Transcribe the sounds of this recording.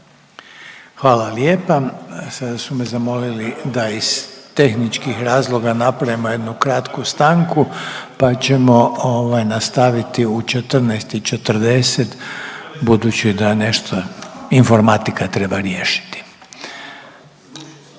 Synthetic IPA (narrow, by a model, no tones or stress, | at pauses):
xʋaːlalje̞ːpasad̪asumezamo̞lilid̪aiz̥t̪e̞xnit͡ʃkixɾaːzlˠo̞ɡanapɾajimo̞je̞d̪nukɾat̪kust̪aŋkupat͡ɕe̞mo̞oʋajnast̪aʋit̪iut͡ʃet̪ər̩nɛjst̪it͡ʃet̪r̩d̪e̞set̪bud̪ut͡ɕid̪ane̞ʃt̪ʰoinfo̞ɾmat̪ikat̪ɾe̞baɾje̞ːʃi̥t̪i̥